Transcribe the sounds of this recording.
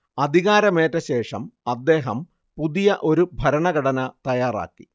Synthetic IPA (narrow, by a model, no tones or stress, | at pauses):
ɐd̪ʱiɣaːɾɐme̞ːtːɐɕe̞ːʂɐmɐd̪ːe̞ːɦɐm | puðijɐʔo̞ɾubʱɐɾɐɳɐɡɐɽɐnɐt̪ɐjaːra̰ːkːi̥